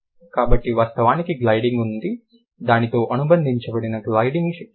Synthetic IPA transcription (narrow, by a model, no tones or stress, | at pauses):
kaːbɐʈːiʋaːst̪ɐʋaːnikiɡlɐjɖiŋɡund̪i | d̪aːnit̪o̞ːʔɐnubɐnd̪ʱiɲt͡ʃɐbɐɽinɐɡlɐjɖiŋɡ